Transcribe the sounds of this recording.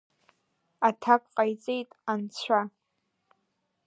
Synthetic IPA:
atʰakʷʼqʼajt͡sʼe̞jtʼant͡ɕʷʰa

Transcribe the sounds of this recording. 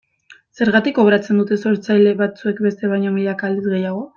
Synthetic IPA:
se̞ɾɣat̪iko̞βɾat͡se̞nd̪ut̪e̞so̞ɾt͡sajle̞βat͡sue̞k̚be̞st̪e̞β̞ajɲo̞miʎakaːld̪izɣe̞jaɣ̞o̞

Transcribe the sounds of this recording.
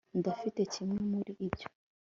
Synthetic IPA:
n̩d̪ɔfitɛt͡ʃimwimuɾiʔibd͡ʒɔ̥

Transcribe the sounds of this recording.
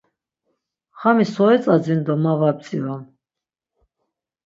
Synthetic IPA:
χamisɔɛt͡sʼad͡zind̪ɔmavab̚t͡sʼiva

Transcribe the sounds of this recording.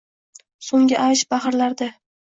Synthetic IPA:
soŋɡʲɪʔajʃbahɾlaɾd̪a

